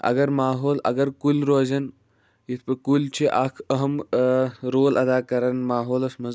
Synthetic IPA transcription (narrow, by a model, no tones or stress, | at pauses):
ɐ̰ɡɐɾmaːɦoːlɐ̰ɡɐɾkulʲɾoːzɐn | jit̪ʰpɐkult͡ʃʰiʔaːkʰɐɦɐm | ɾoːlɐd̪aːkɐɾɐnmaːɦoːlɐsmɐz